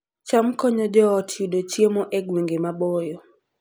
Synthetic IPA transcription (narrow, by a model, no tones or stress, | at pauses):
t͡ʃamkɔɲɔd͡ʒɔːtʰiudot͡ʃjemɔʔeɡweŋɡemabɔjɔ